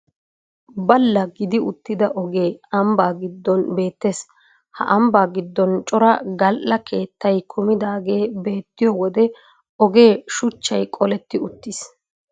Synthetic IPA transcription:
bɐlːɐɡɪd̪ɪʊt̪ːɪd̪ɐʔɔɡe̞ːɐmbaːɡɪd̪ːɔnbe̞ːt̪ːeːs | hɐ̰ʔɐmbaːɡɪd̪ːɔnt͡ʃʼɔɾɐɡɐlʔɐkʰe̞ːt̪ːɐjkʰʊmɪd̪aːɡe̞ːbe̞ːt̪ːɪjɔwɔd̪ɛ | ɔɡe̞ːʃʊt͡ʃːɐjkʼɔlɛt̪ːɪʊt̪ːɪs

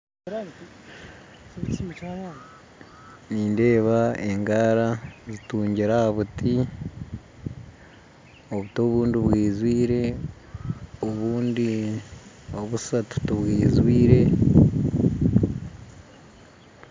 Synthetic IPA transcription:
niːnde̞ːβae̞ŋɡaːɾazituːɲɟiɾahaβuti | oβutoːβuːndiβwiːzwiːɾe̞ | oβuːndi | oβusatu̥tuβwiːzwiːɾe̞

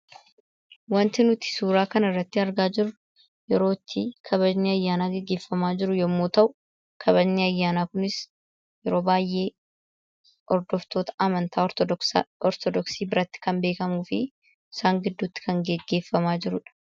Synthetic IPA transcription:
wɐnt̪ɪnʊt̪ɪ̥suːɾaːkɐnɪrːɐt̪ːɪɐɾɡaːd͡ʒɪɾʊ | jɛɾo̞ːt̪ːikʰɐβɐd͡ʒniːɐjːaːnaːɡɛɡːe̞ːfːɐmaːd͡ʒɪɾʊjɔmːoːt̪ɐʔʊ | kʰɐβɐd͡ʒniːɐjːaːnaːkʊnɪs | jɛɾo̞ːbaːjːe̞ː | ʔɔɾd̪ɔft̪o̞ːt̪ɐ̥ʔɐmɐnt̪aː | ɔɾt̪ɔd̪ɔksiːbɪɾɐt̪ːɪ̥kɐmbe̞ːkɐmuːfɪ | ɪsaːŋɡɪd̪ːuːt̪ːɪ̥kɐŋɡɛɡːe̞ːfːɐmaːd͡ʒɪɾʊᶑɐ̥

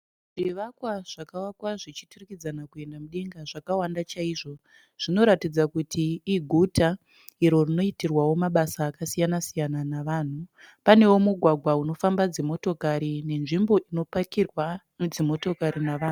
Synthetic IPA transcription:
ʐ̥iʋakwaʐ̥akawakwaʐit͡ʃiturikid͡zanakue̞ndamuɗe̞ŋɡaʐakawandat͡ʃaiʐo̞ | ʐ̥ino̞ɾatid͡zakutʰiːɡʱuta | iɾo̞rino̞itirwawo̞maɓasaːkasijanasijananaʋaːn̤u | pane̞womuɡʱwaɡʱwauno̞fambad͡zimo̞to̞kaɾine̞nʐimbo̞ʔino̞pakirwanud͡zimo̞to̞kaɾinaʋaːnu

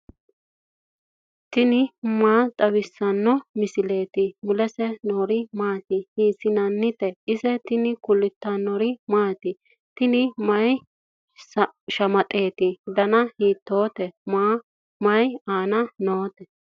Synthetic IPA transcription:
t̪ɪnɪmaːt̪ʼɐwɪsːɐnːɔmɪsɪle̞ːt̪ɪmʊlɛsɛnoːɾɪmaːt̪ɪhiːsɪnɐnːɪt̪ɛʔɪsɛt̪ɪnɪkʊlːɪt̪ːɐnɔɾɪmaːt̪ɪ | t̪ɪnɪmɐj | sʃɐmɐt̪ʼe̞ːt̪ɪd̪ɐnɐhiːt̪ːo̞ːt̪ɛmaː | mɐjaːnɐnoːt̪ɛ

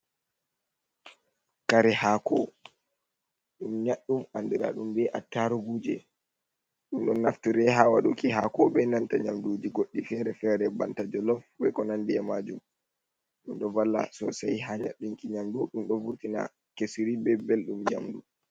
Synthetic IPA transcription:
kaɾɛhakɔ | ɗumɲaɗːumandiɾa̰ɗumbɛʔatːaɾuɡud͡ʒɛ | ɗumɗɔnːaftiɾɛɦawaɗukiɦakɔbɛnantaɲamduːd͡ʒiɡoɗːifɛɾɛfɛɾɛbantad͡ʒɔlɔfbɛkɔnandiɛmaːd͡ʒum | ɗumɗɔvalːa̰sɔsajɦaɲaɗːumkʼiɲamduɗumɗɔvuɾtina̰ | kesiɾibɛbelɗumɲa̰mdu

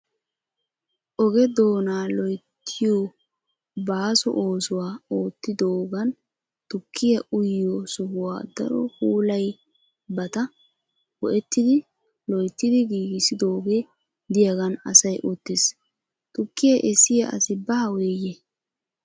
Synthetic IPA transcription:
ʔɔɡɛd̪o̞ːnaːlɔjt̪ʰːɪjo | baːsɔ̰ʔo̞ːsʊwaːo̞ːt̪ːɪd̪oːɡɐn | t̪ʊkʰːɪjɐʔʊjːɔsʊhʊwaːd̪ɐ̰ɾɔ̰huːlɐj | bɐt̪ɐ | wɔʔɛt̪ːɪd̪ɪ | lɔjt̪ːɪd̪ɪɡiːɡɪsɪd̪o̞ːɡɛ | d̪ɪjɐɡɐnɐsɐjʔɔt̪ːɪs | t̪ʊkːɪjɐʔɛsɪjɐɐ̰sɪbɐɐweje

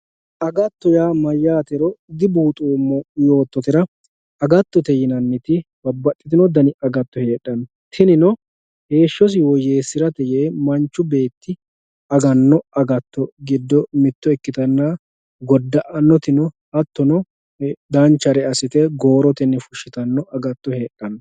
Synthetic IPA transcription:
ʔɐɡɐt̪ːɔjaːmɐjːaːt̪ɛɾɔd̪ɪbuːt̪ʼuːmːɔjo̞ːt̪ːɔt̪ɪɾɐ | ɐɡɐt̪ːɔt̪ɛjɪnɐnːɪt̪ɪbɐbːɐtʼːɪt̪ɪnɔd̪ɐnɪʔɐɡɐt̪ːɔhe̞ːɗɐn | t̪ʰɪnɪnɔ | he̞ːʃːɔs̬ɪwɔjeːsɪɾɐt̪ɛjeːmɐnt͡ʃːʊbe̞ːt̪ːɪ | ɐɡɐnːɔɐɡɐt̪ːɔɡɪd̪ːɔmɪt̪ːɔɛkːɪt̪ɐnːaː | ɡɔd̪ːɐʔɐnːɔt̪ɪnɔ | ɐt̪ːɔnɔ | d̪ɐnt͡ʃːɐɾɛɐsɪt̪ɛɡo̞ːɾɔt̪ɪnːɛfʊʃːɪt̪ɐnːɔʔɐɡɐt̪ːɔhe̞ːɗːɐnːɔ

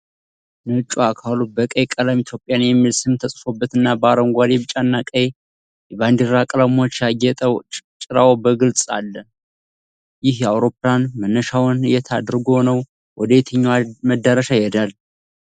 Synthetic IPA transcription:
nɨt͡ʃʼuakʰalubəkʼəjkʼəlamit̪ʰjo̞pʼːjanjɛmːilsɨmt̪ʰəsʼfo̞bːət̪ɨnːabəaɾəŋɡʷad̪ebɨt͡ʃʼanːakʼəje | jɛband̪iɾakʼəlamot͡ʃːjajɛt̪ʼəwt͡ʃʼɪɾawbəɡɨlt͡sʼa̰lːə | jɪhjɛawɾo̞pːlanmənːəʃawnjɛt̪ʰad̪ɾɨɡonəw | wʔɔd̪əjt̪ʰəɲːaməd̪ːəɾəʃajɛd̪al

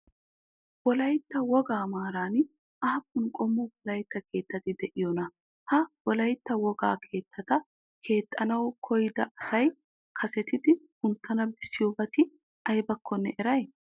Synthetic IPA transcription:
wɔlɐjt̪ːɐwɔɡaːmaːɾaːn | ʔɐhɐkːʊnkʼɔmːʊbɔlɐjt̪ːɐke̞ːt̪ːɐt̪ɪd̪ɛʔɪjɔnɐ | hɐwɔlɐjt̪ːɐwɔɡa̰ːkʰe̞ːt̪ʰːɐt̪ɐ | kʰe̞ːt̪ʼːɐnɐwkʰɔjɪd̪ɐʔɐsɐj | kʰɐsɛt̪ɪd̪ɪhʊnt̪ːɐnɐbɪsːɪjobɐt̪ɪ | ɐjbɐkːɔnːɛʔɛɾɐj

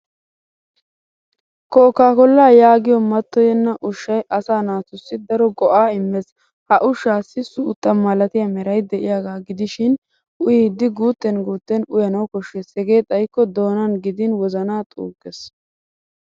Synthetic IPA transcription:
kɔːkːaːkɔlːaːjaːɡɪjɔmɐt̪ːɔjɛnːɐʔʊʃːɐjʔɐsaːnaːt̪ʊsːɪd̪ɐɾɔɡɔʔaːɪmːɛs | hɐʔʊʃːaːsːɪsuːt̪ːɐmːɐlɐt̪ɪjɐmɛɾɐjd̪ɛʔɪjaːɡaːɡɪd̪ɪʃɪn | ʔʊjid̪ːɪɡuːt̪ːɛnɡuːt̪ːɛnʊjɐnɐwkɔʃːɛsɛɡe̞ːt̪ʼɐjkːɔd̪o̞ːnɐnɡɪd̪ɪnwɔzɐnaːt̪ʼṵːɡɛs

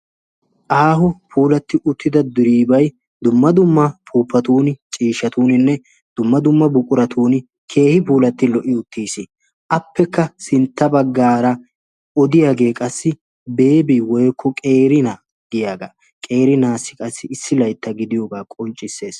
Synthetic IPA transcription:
ʔaːhɔpʰuːlɐt̪ːɪʔʊt̪ʰːɪd̪ɐd̪ʊɾiːbɐj | d̪ʊmːɐd̪ʊmːɐpʰuːpːɐt̪uːnt͡ʃʼiːʃɐt̪uːnɪnːɛ | d̪̥ʊmːɐd̪ʊmːɐbʊkʼʊɾɐt̪ʰuːn | kʰe̞ːhɪpuːlɐt̪ːɪlɔʔɪʊt̪ːiːsɪ | ʔɐpːɛkːɐsɪnt̪ːɐbɐɡːaːɾɐ | ɔd̪ɪjaːɡe̞ːkʼɐsːɪ | be̞ːbɪwɔjkʰːɔkʼe̞ːɾɪnɐ | ɡɪjaːɡa̰ː | kʼe̞ːɾɪnaːsːɪ̥kʼɐsːɪɪsːɪlɐjt̪ːɐɡɪd̪ɪjoɡaːkʼɔnt͡ʃʼːɪsːe̞ːs

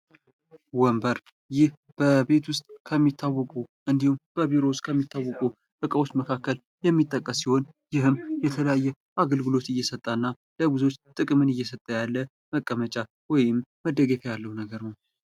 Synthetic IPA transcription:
wɔmbəɾ | jɪh | b̥əbe̞t̪wʊst̪ʼkʰəmːit̪ʰːawːɔkʼuʔɨnd̪ihumb̥əβiɾowst̪ʼkʰəmːit̪ʰːawːɔkʼu | ʔɨkʼəwo̞t͡ʃːməkʰakːəl | jɛmːit̪ʼːəkʼːəsiho̞n | jɪɦɨmjɛt̪ʰələjajːɛ | ʔaɡəlɡɨlo̞t̪ɨjːɛsət̪ʼːaɨnːa | ləɡɨzo̞t͡ʃːt̪ʼɨkʼmɨnɨjːɛsət̪ʼːəjalːə | məkʼːəmət͡ʃʼa | wɔjɪmːəd̪ːəɡefʰəjalːəhwunəɡəɾnəw

